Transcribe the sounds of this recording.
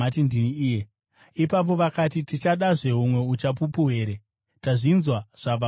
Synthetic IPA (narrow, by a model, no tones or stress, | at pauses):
atindiniːje | ipap̬o̞ʋakatitit͡ʃaɗaʐe̞ɦumwe̞ut͡ʃapupuɦe̞ːɾe | taʐinzwaʐ̥ab͡va